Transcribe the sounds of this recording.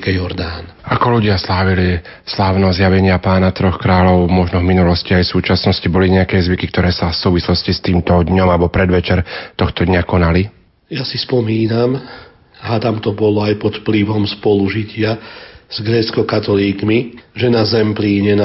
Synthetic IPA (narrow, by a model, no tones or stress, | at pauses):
kɛjɔɾd̪aːnʔakɔluɟɪaslaːʋili | slaːʊnɔzjaʋɛɲɪapaːnat̪ɾɔxkɾaːlɔʊmɔʒnɔvminulɔsciajsuːt͡ʃasnɔscibɔliɲɛakɛːzʋikikt̪ɔɾɛːsafsuːʋislɔscist̪iːmt̪ɔd̪ɲɔmalɛbɔpɾɛd̪ʋɛt͡ʃɛɾt̪ɔxt̪ɔd̪ɲakɔnali | jasispɔmiːnam | at̪amt̪ɔbɔlɔajpɔt̪fpliʋɔmspɔluʒicɪaz̥ɡɾɛːt͡skɔkat̪ɔliːkmiʒɛnazɛmpliːɲɛna